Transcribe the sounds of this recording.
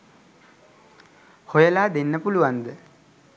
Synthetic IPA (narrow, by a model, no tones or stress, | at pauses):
hojəlaːd̪enːəpuluʋand̪ə